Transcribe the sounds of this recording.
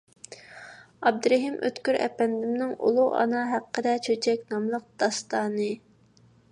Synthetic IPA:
ɑb̚d̪ɾɛɦimʔø̰t̪kʲyɾɛ̰pɛnd̪ɪmnɪŋṵlˠuʔɑ̰nɑɦæqʰːəd̪ɛt͡ʃʰøt͡ʃʰɛkʲnɑmlˠəq̚d̪̥ɑst̪ɑːnɨ

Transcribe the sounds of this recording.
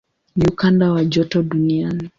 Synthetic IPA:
niukandawad͡ʒɔtɔɗuniani

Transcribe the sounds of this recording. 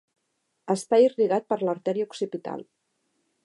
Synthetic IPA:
əsp̪ajiriɣat̪̚pəɾləɾt̪ɛɾiuksipit̪a̰lˠ

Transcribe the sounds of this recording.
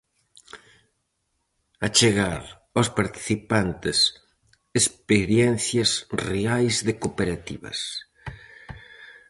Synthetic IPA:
at͡ʃeɣaɾ | ospaɾt̪i̥θipant̪ɪs | espeɾjɛn̟θjazreajzðekopeɾat̪ḭβɐ̰s

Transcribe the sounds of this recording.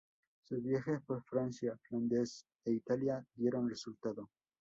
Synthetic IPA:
suzβjaxespoɾfɾansjafland̪es | eit̪aljaðje̞ɾonresult̪aðo

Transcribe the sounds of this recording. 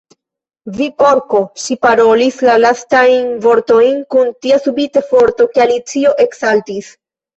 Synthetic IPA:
vipo̞ɾko̞ʃipaɾo̞lislalastajnvo̞ɾto̞jnkuntiasubitefo̞ɾto̞kealit͡sio̞ʔe̞ksaltis

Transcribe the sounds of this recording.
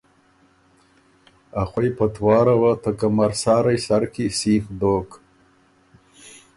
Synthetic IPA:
aχʷwajpʰat̪ʰwɑːɾawat̪ʰakamaɾsɑːɾajsaɾkʰisiːxd̪oːk

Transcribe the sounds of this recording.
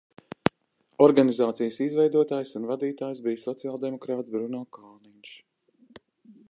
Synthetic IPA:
ɔɾɡanizaːt̪sijəsizvɛjd̪uɔt̪aːjsunvad̪iːt̪aːjsbijsɔt̪sijalˠd̪emɔkɾaːt̪sbɾunɔkaːninʃ

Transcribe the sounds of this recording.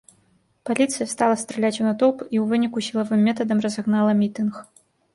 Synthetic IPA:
palʲit̪sɨjɐst̪alˠɐst̪ɾɛlʲat͡sʲunat̪ɔpiwvɨnʲikusʲilˠɐvɨmʲːɛt̪ɐd̪ɐmrɐzaɣnalˠɐmʲit̪ɨnx

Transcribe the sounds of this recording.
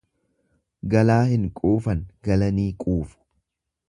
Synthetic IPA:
ɡɐlaːhɪŋkʼuːfɐnɡɐlɐniːkʼuːfʊ̥

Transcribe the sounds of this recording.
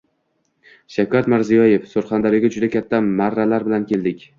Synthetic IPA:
ʃakʲʰat̪maɾzijɒje̞fsoɾχand̪aɾɪɡʲad͡ʒʊd̪akʲʰat̪ʰːamaɾːalaɾbɪlankʲe̞ld̪ɪkʲ

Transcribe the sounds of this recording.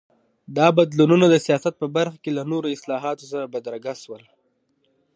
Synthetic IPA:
d̪ɑbad̪lununad̪əsijɑsat̪̚pəbaɾxakelanoɾoɪslɑɦɑt̪os̬aɾabad̪ɾaɡaswəl

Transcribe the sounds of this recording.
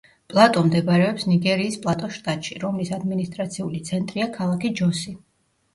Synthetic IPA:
pʼlˠat̪ʼɔmd̪ɛɡɾɛɔpsniɡɛɾiːspʼlˠat̪ʼɔʃt̪ʼat̪ʼʃiɾɔmlisad̪minist̪ʼɾat̪sʰiulit̪sʰɛnt̪ʼɾiakʰalˠakid͡ʒɔsi

